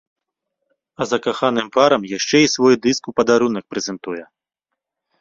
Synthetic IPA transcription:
ɐzɐkaxanɨmpaɾɐmjaʂt͡ʂɛisvɔjd̪ɨskupɐd̪aɾunɐk̚pɾɛzɛnt̪ujɛ

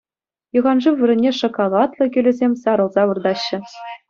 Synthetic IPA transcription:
jɯ̆ʁɑnʐɯʋɘ̆ɾʲɘ̆nʲːeʂŏkolˠɑt̪lˠɤ̆kʲy̆lʲɘ̆zʲemʲsɑɾɤ̆lˠzɑʋɤ̆rd̪ɑɕːɘ̆

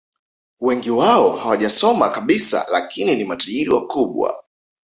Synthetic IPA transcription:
wɛŋɡiwaɔhawaʄasɔmakaɓisa̰la̰kininimataʄiɾiwa̰kuɓwa̰

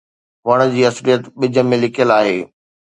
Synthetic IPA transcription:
ʋɐɽ̃ə̆d͡ʑiːɐsɾijət̪ɓɪd͡ʑʱə̆mẽlɪkʰjəlaːɦeː

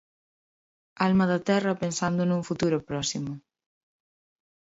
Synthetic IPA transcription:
almɐðɐt̪ɛrɐpensand̪ʊnũŋfut̪uɾʊpɾɔsimʊ

